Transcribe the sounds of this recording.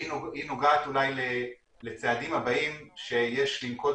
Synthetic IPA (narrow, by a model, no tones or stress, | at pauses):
inoɡaːt̪ulajle | let͡sead̪imhabaimʃe̞jeʃlimko̞